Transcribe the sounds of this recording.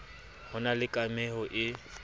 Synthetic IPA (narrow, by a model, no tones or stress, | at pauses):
hʊnalɪkʼamɛɦɔʔɪ